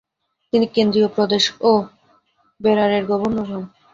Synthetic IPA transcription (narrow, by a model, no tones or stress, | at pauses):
t̪inikend̪ɾijopɾod̪eʃo | beɾaɾeɾɡɔboɾnoɾʱon